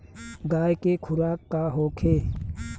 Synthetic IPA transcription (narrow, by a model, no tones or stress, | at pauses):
ɡaːjkekʰʊɾaːkːaɦoːkʰeː